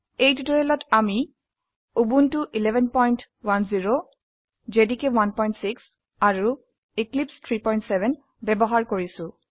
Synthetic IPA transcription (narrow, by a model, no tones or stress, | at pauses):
ejtitɔɹɛlɔtʰami | ubuntuʔilɛbʱɛnpɔjnt | wanziɹo | zedikɛwanpɔjntsiks | aɹu | iklipstʰɹipɔjntsɛbɛn | bɛbɔɦaɹkoɹisʊ̃